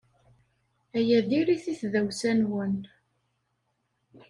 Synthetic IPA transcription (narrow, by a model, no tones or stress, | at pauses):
æjæðiɾiθiθðæwsænwən